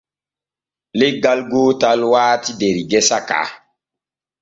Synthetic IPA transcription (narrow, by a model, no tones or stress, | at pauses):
leɡalɡotalwaːtideɾiɡɛsaka̰